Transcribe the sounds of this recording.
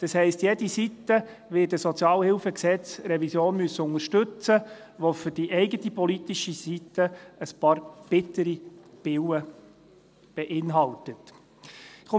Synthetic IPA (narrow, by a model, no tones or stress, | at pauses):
d̥ɑshɛɪstjɛdisitːə | ʋɪːdəsɔt͡sjɑːlhɪlfəksɛt͡sɾɛvisjoːnmyəsːəʊŋəɾʃtɵt͡səʋofʏɾd̥iʔɛɪɡətipɔlit̪iʃisitəəspɑːɾb̥ɪtəɾib̥ɪwə | b̥ɛʔɪnɦɑltət | χo